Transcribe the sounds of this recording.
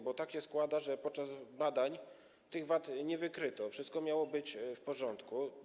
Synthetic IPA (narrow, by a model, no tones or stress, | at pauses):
bɔt̪akɕɛskwad̪aʐɛpɔt̪̚t͡ʂazbad̪aɲ | t̪ɘɣvat̪ɲɛvɘkɾɘt̪ɔfʂɨst̪̚kɔmʲjawɔbɘt͡ɕfpɔʐɔnt̪ku